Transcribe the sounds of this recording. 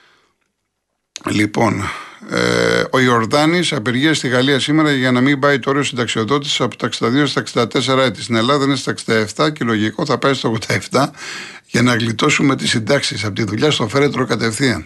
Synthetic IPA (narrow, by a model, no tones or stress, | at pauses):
lipo̞n̰ | o̞io̞ɾðɐnisɐpe̞ɾʝiɐst̪iɣɐliɐsime̞ɾɐʝɐnɐmimbɐit̪oo̞ɾio̞sind̪ɐksio̞ðo̞t̪̬isi̥sɐpot̪ɐksid̪ɐðiost̪t̪ɐksind̪ɐt̪e̞s̬eɾɐet̪i̥st̪ine̞lɐðɐinest̪ɐksind̪ɐeft̪ɐce̞lo̞ʝiko̞θɐpɐist̪oɣod̪ɐe̞ft̪ɐ | ʝɐnɐɣlit̪o̞sume̞t̪isind̪ɐksisɐpot̪iðuʎɐst̪o̞θe̞ɾet̪ɾo̞kɐt̪e̞fθiɐn